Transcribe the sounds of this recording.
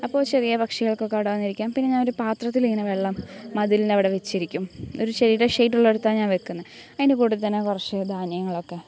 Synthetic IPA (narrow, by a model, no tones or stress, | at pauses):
ɐpːo̞ːt͡ɕe̞rijɐpɐkʂiɣɐɭkokːeɽɐʋɐnːiɾikʲːaːmpinːeɲaːnoɾupaːt̪rɐt̪ːiliŋːɐnɐʋe̞ɭːɐmːɐðilineɐʋiɽeʋet͡ɕːiɾikʲːumo̞ɾuɕɐɾiːɾɐʂejʈːuɭːe̞ɽut̪ːaːɲaːnʋe̞kːunːɐðɐðinekuːɽuðt̪ːɐnːekurɐt͡ɕːɨd̪ʱaːnijɐŋːɐɭo̞kːe̞